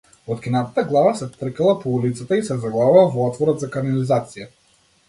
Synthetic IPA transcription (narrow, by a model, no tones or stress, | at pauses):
ɔt̪kʲinat̪at̪aɡlˠavasɛt̪r̩kalˠapɔulit̪sat̪aisɛzaɡlˠavavavɔɔt̪vɔɾɔd̪zakanalizat̪sija